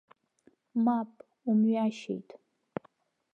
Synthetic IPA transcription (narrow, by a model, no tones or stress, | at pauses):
mapʼ | umɥaʃḛjtʰʼ